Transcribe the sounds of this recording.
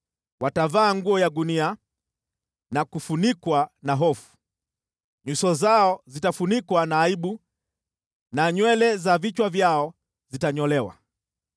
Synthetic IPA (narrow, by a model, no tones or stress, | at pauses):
watavaːŋɡuɔjaɡunia | nakufunikwanaɦɔfu̥ | ɲusɔzaɔzitafunikwanaːiɓu | naɲwɛlɛzavit͡ʃwavjaɔ | zitaɲɔlɛwa̰